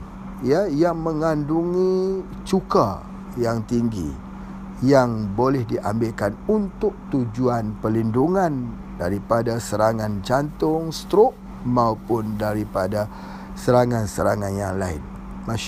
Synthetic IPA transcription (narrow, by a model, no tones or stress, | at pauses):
ijajaŋmə̃ŋanduŋĩ | t͡ʃuka̰ | jaŋt̪iŋɡḭ | jaŋbolɛhdiʔambɪlkanunt̪ʊk̚t̪ud͡ʒuanpəlinduŋãn | daɾipadasəɾaŋant͡ʃant̪ʊŋst̪ɾoʔ | maupʊndaɾipada | səɾaŋãnsəɾaŋanjaŋlaɪ̰n | ma